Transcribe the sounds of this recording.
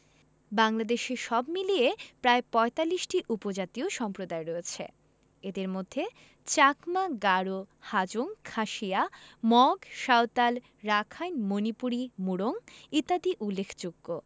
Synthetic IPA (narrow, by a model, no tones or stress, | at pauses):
baŋlad̪eʃeʃɔbmiliepɾaepɔet̪alːiʃʈiʔupod͡ʑat̪ioʃɔmpɾod̪aeɾɔet͡ɕʰḛ | ed̪eɾmod̪ʱːe | t͡ɕakmaɡaɾohad͡ʑoŋkʰaʃiamɔɡʃaot̪al | ɾakʰajnmonipuɾimuɽoŋit̪ad̪iʔulːekʰd͡ʑoɡːo